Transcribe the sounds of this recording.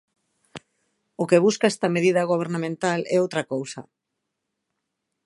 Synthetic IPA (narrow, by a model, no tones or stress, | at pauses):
okeβ̞uskaɛst̪ɐmeð̞iðɐɣ̞oβ̞eɾnamẽnt̪alɛowt̪ɾɐkowsɐ̰